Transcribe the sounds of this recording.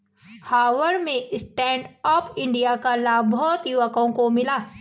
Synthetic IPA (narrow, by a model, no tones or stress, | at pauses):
haːʋəɾmẽsʈɛ̃ːɳɖɔːpʰɪ̃ɳɖijakalaːbbɔːt̪jʊʋəkõkomɪlaː